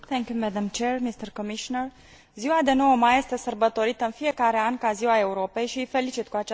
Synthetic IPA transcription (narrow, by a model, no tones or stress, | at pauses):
θʰɛŋkʲjumɛd̪amt͡ʃermist̪ərkomiʃonər | ziwad̪eno̞wəmaje̞st̪e̞sərbət̪o̞ɾit̪əɨnfije̞kaɾe̞ankaziwae̞uɾo̞pe̞jʃiəjfe̞lit͡ʃit̪kuat͡ʃ